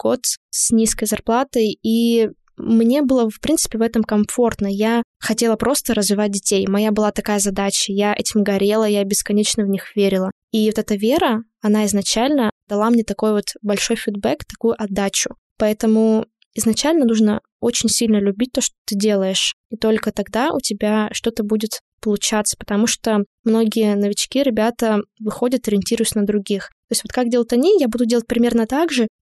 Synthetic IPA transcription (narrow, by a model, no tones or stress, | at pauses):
ko̞t̪snʲiskəjzɐrplˠat̪əji | mnʲe̞bɨlˠəfpɾʲint̪sɨ̥pʲɪvɛt̪əmkɐɱfo̞rt̪nəjaxɐtʲe̞lˠəpɾo̞st̪əɾəzvʲɪvat̚ʲdʲɪtʲejmɐjabɨlˠat̪ɐkajəzɐd̪at͡ɕəjaʔɛtʲɪmɡɐɾʲe̞lˠəjabʲɪskɐnʲet͡ɕnəvnʲixvʲeɾʲɪlˠə | ivot̪ɛt̪əvʲe̞ɾə | ɐnaɪznɐt͡ɕalʲnəd̪̥ɐlˠamnʲet̪ɐko̞jvo̞t̪bɐlʲʂo̞jfʲɪd̪̚bɛkt̪ɐkujʊʔɐd̪ːat͡ɕʊ | pɐɛt̪əmʊ | ɪznɐt͡ɕalʲnənuʐnə | o̞t͡ɕɪnʲsʲilʲnəlʲʉbʲit̚ʲt̪o̞ʂt̪ot̪ɨdʲe̞lˠəjɪʂit̪o̞lʲkət̪ɐɡd̪aʔʊ̰tʲɪbʲaʂt̪o̞t̪əbudʲɪt̪ | pəlˠʊt͡ɕat̪sə̥pə̥t̪ɐmuʂt̪omno̞ɡʲɪjənəvʲɪt͡ɕkʲiɾʲɪbʲat̪əvɨxo̞dʲət̪ɐɾʲɪnʲtʲiɾʊjʊsʲnəd̪ɾʊɡʲixt̪o̞ɪsʲtʲvo̞t̪kak̚dʲelˠət̪ʲɐnʲijabud̪ʊdʲelˠət̚ʲpɾʲɪmʲe̞rnət̪aɡʐɨ